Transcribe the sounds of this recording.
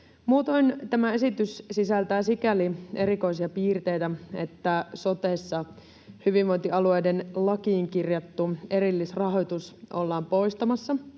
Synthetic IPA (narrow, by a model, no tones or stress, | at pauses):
muːt̪ont̪æmæe̞sit̪yssisælt̪æːsikælie̞ɾiko̞isiɑpiːrt̪e̞jt̪æe̞̰t̪ːæso̞t̪e̞sːɑ | hyʋiʋʋo̞jnt̪iɑlue̞jdenlɑkiːŋkirjɑt̪ːue̞ɾilːisrɑɦo̞jt̪usʔolːɑːmpo̞jst̪ɑmɑsːɑ